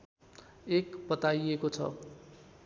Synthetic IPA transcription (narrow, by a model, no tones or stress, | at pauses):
ekbʌt̪ajekot͡sʰʌ̰